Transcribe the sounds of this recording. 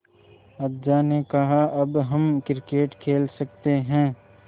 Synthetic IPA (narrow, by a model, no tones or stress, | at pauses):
ɐb̚d͡ʒaːnekɐɦaʔɐbɦɐmkɪɾkeːʈkʰeːlsɐk̚t̪eɦɛ̃ː